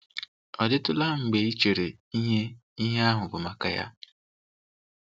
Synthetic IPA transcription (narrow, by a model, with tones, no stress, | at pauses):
ɔ˨dɪ˦tʊ˦la˦ŋ͡m̩˨ɡ͡be˨i˦t͡ʃe˨ɾe˨ | i˦ɦe˦i˦ɦe˦a˦ɦʊ˨bʊ˨ma˦ka˦ja̰˦